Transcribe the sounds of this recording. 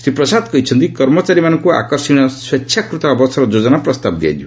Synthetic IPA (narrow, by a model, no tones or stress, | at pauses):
sɾipɾɔsad̪kɔit͡ʃʰʌnt̪ikɔɾmɔt͡ʃaɾimanɔŋkua̰kɔɾsiɽ̃ɔswet͡ʃʰjakɾut̪ɔːbɔsɔɾɔd͡ʒod͡ʒɔnapɾɔst̪abd̪ia̰jd̪ʰũ